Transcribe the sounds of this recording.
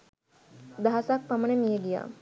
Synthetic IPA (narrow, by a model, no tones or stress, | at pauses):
d̪aɦasak̚pɐmənemijeɡija̰ː